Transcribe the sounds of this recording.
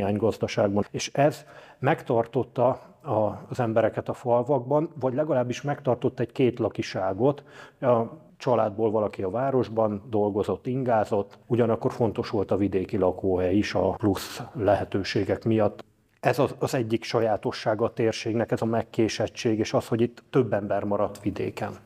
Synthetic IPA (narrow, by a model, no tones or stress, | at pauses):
aːɲɡɒzd̪ɒʃaːɡ̚bɒeːʃɛzmɛkt̪ɒrt̪o̞t̪ːɒɒzɛmbɛɾɛkɛt̪ɒfɒlvɒɡ̚bɒnvɒɟlɛɡɒlaːbːiʃmɛkt̪ɒrt̪o̞t̪ːɛɟkeːt̪lɒkiʃaːɡo̞t̪ɒ | t͡ʃɒlaːd̪̚boːlvɒlɒkiɒvaːɾo̞ʒbɒnd̪o̞lɡo̞zo̞t̪ːiŋɡaːzo̞t̪ːuɟɒnɒkːo̞rfo̞n̪t̪o̞ʃʋo̞lt̪ɒvid̪eːkilɒkoːɦɛjiʃɒpluslɛɦɛt̪øːʃeːɡɛkmijɒt̪ː | ɛzɒːzɛɟːikʃɒjaːt̪o̞ʃːaːɡɒt̪eːrʃeːɡnɛkɛzɒmɛkːeːʃɛt͡ʃːeːɡeːʃɒsho̞ɟit̪ːø̞bːɛmbɛrmɒɾɒt̪ːʋid̪ḛːkɛn